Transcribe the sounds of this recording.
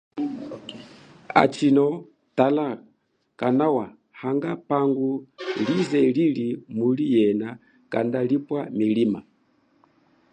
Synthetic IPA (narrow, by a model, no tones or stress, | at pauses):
a̰t͡ʃinɔ | tala | kanawa | haŋɡapaŋɡulizɛlilimulijɛna | ka̰ndalipwamilima̰